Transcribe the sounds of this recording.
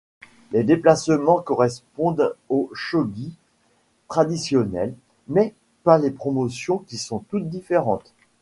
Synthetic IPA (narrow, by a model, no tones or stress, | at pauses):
led̪eplasmɑ̃kɔʁɛspɔ̃d̪oʃɔɡʲi | t̪χad̪isjɔnɛl | mɛ | palepχɔmɔsjɔ̃kʲisɔ̃t̪ut̪̚d̪ifeʁɑ̃t̪